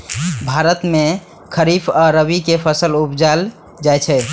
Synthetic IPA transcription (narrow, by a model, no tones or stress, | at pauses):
bʱaɾət̪me | kʰəɾipʰaɾəβikepʰəsəlupd͡ʒal | d͡ʒajt͡ʃʰɛ